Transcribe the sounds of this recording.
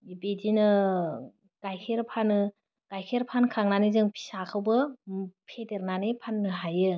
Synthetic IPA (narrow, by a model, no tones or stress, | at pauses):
ibedinɯ | ɡ̥ajkʰeɾpʰanɯ | ɡ̥ajkʰeɾpʰankʰaŋnanizɯŋpʰi̥sakʰawbɯpʰedeɾnanepʰanːɯɦajɯ